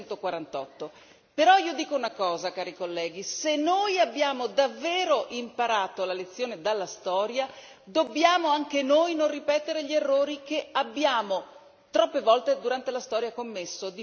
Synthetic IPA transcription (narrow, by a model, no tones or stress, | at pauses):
nt̪okwaɾant̪ɔ̰t̪ːo | peɾɔiːod̪iːkounakɔːzakaːɾikolːɛːɡ̟isenːojabːjaːmod̪avːeːɾoʔimpaɾaːt̪olalet̪sːjoːned̪alːast̪ɔːɾja | d̪obːjaːmoaŋk̟enojnonripɛːt̪eɾeʎierːoːɾikeabːjaːmo | t̪ɾɔpːevɔlt̪ed̪uɾant̪elast̪ɔːɾjakomːesːod̪i